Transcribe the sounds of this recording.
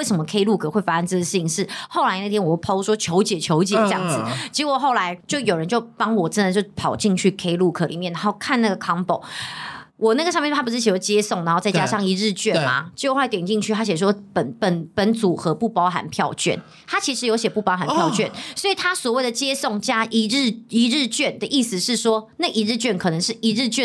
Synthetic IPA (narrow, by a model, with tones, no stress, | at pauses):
we˥˩ɪʂə˧˦mə˧kʰe˥ɪlu˥˩kʰɤ˥˩xwe˥˩ɪfa˦˥ʂə˥˧nʈ͡ʂɤ˥˩ə˩ʂ̩ʰ˥˩i˧˥ŋʂɻ̩˥˩xo˥˩ʊla˧˥ɪna˥˩t̪ʰjɛ˥wpʰo˥ʊʂwɔ˥t͡ɕʰjo˧˥ʊt͡ɕjɛ˨˩t͡ɕʰjo˧˥ʊt͡ɕjɛ˨˩ə˥jɑ˥˩ŋd͡zɨ˨˩t͡ɕi˧˥wɔ˨˩xo˥˩ʊla˧˦ɪt͡ɕjo˥˩ʊjo˨˩ʊɻə˧˦nt͡ɕjo˥˩ʊpɑ˥ŋwɔ˨˩ʈ͡ʂə˦nd̪ə˨˩t͡ɕo˥˧˩ʊpʰɑ˨˩ʊt͡ɕi˥˧ŋt͡ɕʰy˥˩kʰe˥ɪlu˥˩kʰɤ˨˩li˨˩mjɛ˥˩na˧˦xo˥˩ʊkʰa˥˧na˥˩ɡə˩kʰɑ˥ŋpo˨˦ʊ | wɔ˨˩na˥˩ɡəʂ̬ɑ˥˧ŋjt̪ʰpu˧˩ʂ̩˥˩t͡ɕʰi˨˩wɔ˧˥˩t͡ɕjɛ˥sŋa˧˥xo˥˧ʊt͡sa˥˩ɪt͡ɕja˥ʂɑ˥˨˩ŋi˧˥ɻɻ̩˥˧t͡ɕɥɛ˥ma̰˩t͡ɕxwa˥˩ɪt̪jɛ˨˩nt͡ɕi˥˧nt͡ɕʰy˥˨t̪ʰa˥ɕ̬ɛ˨˩˥wɔ˥pə˨˩npə˨˦npə˧˥nt͡su˨˩xɤ˧˦pu˥˩pɑ˥ʊxa̰˨˩npʰjɑ˥˧ʊt͡ɕɥɛ̰˥˩n | t̪ʰa˥t͡ɕʰi˧˥ʂɻ̩˧˥jo˧˥ʊɕjɛ˨˩pu˥˩pɑ˥xa˨npʰjʊt͡ɕɥɛ˥˨˩nswɔ˧˥i˨˩t̪ʰa˥swɔ˨˩we˥˩ɪd̪ə˩t͡ɕjɛ˥sɔ˥˨˩ŋt͡ɕja˥ʔi˧˥ɻ̩˥˧i˧˥ɻɻ̩˥˧t͡ɕɥɛ˥˨˩nd̪ə˩ʔi˥˩s̩˨˩ʂɻ̩˥˩ʂwɔ˥na˥˩˨i˧˥ɻɻ̩˥˧t͡ɕɥɛ˥˩nkʰɤ˨˩nə˧˥ŋʂɻ̩˥˩i˧˥ɻɻ̩˥˧t͡ɕɛ˥˨